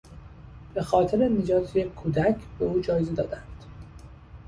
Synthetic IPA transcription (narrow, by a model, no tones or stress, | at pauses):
b̥e̞xɒːt̪ʰeɾe̞ned͡ʒɒːt̪ʰejeuːd̪æcʰbe̞uːd͡ʒɒːjeze̞d̪ɒːd̪ænd̪̥